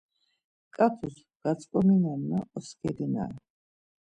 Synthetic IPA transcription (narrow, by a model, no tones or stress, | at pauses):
kʼat̪ʰus | ɡ̥at̪sʼkʼɔminanmaɔskʰɛlina̰